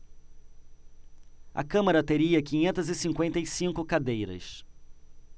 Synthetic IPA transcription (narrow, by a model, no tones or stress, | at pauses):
ɐ̰kɐ̃maɾɐt̪eɾiɐkĩɲẽnt̪ɐzɪsĩŋkwẽnt̪ɐɪsĩŋkʊkad̪ejɾɐ̰s